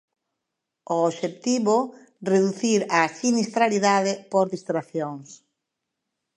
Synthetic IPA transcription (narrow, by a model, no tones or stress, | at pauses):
oːʃet̪iβo | reðuθiɾasinist̪ɾaliðaðɪpoɾðist̪ɾaθjoŋs